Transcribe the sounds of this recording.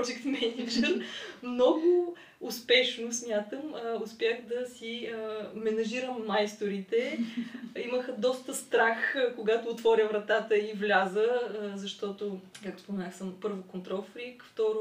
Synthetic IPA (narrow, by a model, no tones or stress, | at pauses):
d͡ʒikt̪mɛnid͡ʒɛɾmnɔɡʊː | spɛʃnosmʲjat̪əmʊspʲjaxd̪ɐsimɛnɐʒiɾəmːajst̪oɾit̪ɛ | iməxəd̪ɔst̪əst̪ɾaxkoɡat̪ʊːt̪vɔɾʲəvɾɐt̪at̪əivlʲazəzɐʃt̪ɔt̪okakt̪o̥spomɛnaxsəmpɤɾvokont̪ɾɔlˠfɾikft̪ɔɾʊ